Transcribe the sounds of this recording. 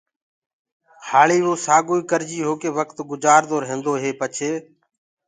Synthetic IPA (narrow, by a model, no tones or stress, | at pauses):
haːɭiːʋoːsaːɡuːiːkəɾd͡ʒiːɦoːkeːʋəkt̪ɡʊd͡ʒaːɾd̪oːɾɦẽːnd̪oːɦeːpət͡ʃʰeː